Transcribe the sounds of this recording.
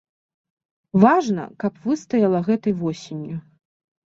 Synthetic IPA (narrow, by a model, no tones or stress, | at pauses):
vaʐnɐ̰kɐpvɨst̪ɐjɐlˠɐɣɛt̪ɐjvɔsʲenʲju